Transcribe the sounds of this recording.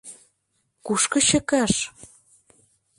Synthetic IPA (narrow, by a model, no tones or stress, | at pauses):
kuʃkɤ̆ɕə̆kɑʃ